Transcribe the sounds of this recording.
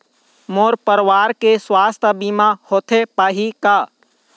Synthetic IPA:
moːɾpəɾwaːɾkeswaːst̪ʰəbiːmahoːt̪ʰepaːɦikaː

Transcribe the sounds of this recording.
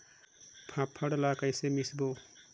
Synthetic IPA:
pʰãpʰʌɽlakajsemisbo

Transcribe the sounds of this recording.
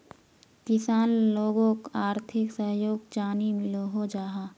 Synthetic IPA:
kɪsaːnloːɡõkaːɾt̪ʰɪksəɦjoːɡd͡ʒaːnimɪloɦod͡ʒaːɦaː

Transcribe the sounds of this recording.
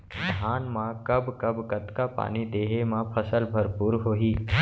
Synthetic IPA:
d̪ʱaːnmãkɐbʱkɐbkət̪kapa̰ːnid̪eːɦemãpʰɐsəlbʱɐɾpuːɾɦoːɦiː

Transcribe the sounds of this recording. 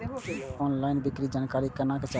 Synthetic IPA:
ɔːnlaːɪnbɪkɾid͡ʒaːnkaːɾikənãket͡ʃa

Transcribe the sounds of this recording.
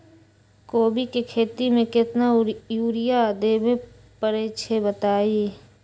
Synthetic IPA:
koːbikekʰeːt̪imẽkɪt̪najuːɾɪjad̪eːbe | pəɾeːt͡ʃʰebət̪aːiː

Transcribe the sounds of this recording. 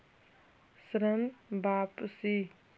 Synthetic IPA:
sɾəmbapsi

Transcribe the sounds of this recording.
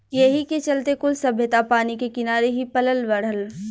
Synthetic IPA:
jɐɦiket͡ʃɐlt̪ekʊlsɐbʱjət̪apaːnikekɪnaːɾeɦipɐləlʋɐɽ̤əl

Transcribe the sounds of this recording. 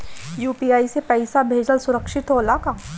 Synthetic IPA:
juːpiːaːisepɛɪsabʱeːd͡ʒəlsʊɾəkʃɪt̪ɦoɐlaːkaː

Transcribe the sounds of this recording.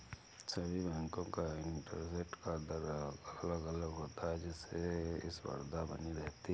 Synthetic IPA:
sɐbʱibɛ̃ːŋkõkaɪɳʈə̰ɾseʈkad̪əɾɐləɡɐləɡɦoːt̪aɦɛd͡ʒɛseɪ̰swɐ̰ɾd̪abɐniɾɛɦt̪i

